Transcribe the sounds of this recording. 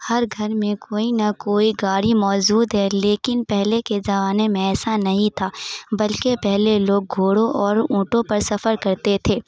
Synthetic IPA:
hɐɾɡʱɐɾmẽkʰoːinakoːiɡaːɽimɔːd͡ʒuːd̪ɦɛleːkɪnpɛɦlekezɐʋaːnemẽɛːsanɐɦĩt̪ʰaːbɐlkepɛɦleloːɡ̚ɡʱoːɽõʔɔːɾũːʈõpɐɾsɐfəɾkɐɾt̪et̪ʰeː

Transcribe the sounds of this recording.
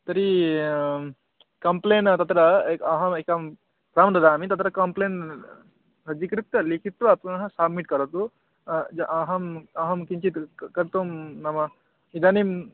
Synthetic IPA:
t̪ɐɾi | kɐmpleːnt̪ɐt̪ɾɐekɐɦɐmekɐm | pɾaːmd̪ɐd̪aːmit̪ɐt̪ɾɐkɐmpleːn | ɾɐd͡ʒikɾik̚t̪ɐlikʰit̪ʋɐːpɐnɐɦɐsɐbmiʈkɐɾɐt̪u | d͡ʒɐʔɐɦɐmɐɦɐmkiɲt͡ʃit̪kɐɾt̪omnɐmɐ | id̪aːnim

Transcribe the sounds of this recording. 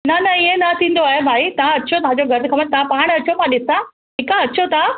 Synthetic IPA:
nɐnɐɪẽnɐt̪ʰĩːn̆d̪oaːɦebʱaːit̪ɐʋ̤ãɐt͡ɕʰot̪ɐɦãd͡ʑoɡʱɐɾkʰɐbəɽnt̪ɐãpaːɽ̃ɐt͡ɕʰomãɗɪsã | ʈʰiːkãɐt͡ɕʰot̪ã

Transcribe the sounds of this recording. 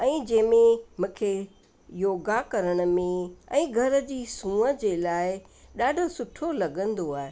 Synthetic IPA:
ɛ̃ːd͡ʑɐ̃ːmẽmũːkʰe | joːɡakɐɾəɽ̃ə̆mẽɛ̃ːɡʱɐɾə̆d͡ʑiːsũːəd͡ʑeːlaːɪ | ɗaːɖʱʊsʊʈʰolɐɡə̃nd̪oaːɦe

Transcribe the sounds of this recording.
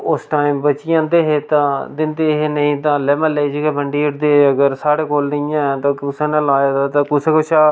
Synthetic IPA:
ʊsʈaːɪmbət͡ʃɪjãːnd̪eːɦet̪ãːd̪ɪnt̪eːɦeːnəĩːt̪ãːlɛːmãːled͡ʒkɛːbəɳɖiːʊʈd̪eːəɡəɾsaːɽeːkoːlnəĩjãːɛt̪ãːkʊsãːnãːlaːaːd̪aːt̪ãːkʊsẽkʊʃʰaː

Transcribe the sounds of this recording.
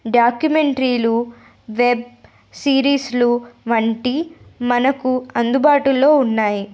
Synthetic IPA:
ɖaːkjumeɳʈɾiːlu | ʋeb̚ | siːɾiːsluʋɐɳʈimɐnɐkuɐnd̪ubaːʈulo̞ːunːaːji

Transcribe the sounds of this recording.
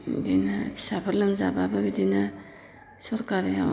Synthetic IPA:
dinapʰi̥sapʰɯɾlɯmzabababidina | sɔɾkaɾja

